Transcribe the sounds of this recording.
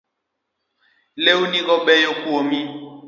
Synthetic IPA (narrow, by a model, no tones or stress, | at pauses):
leunikɔɓɛjokuɔmi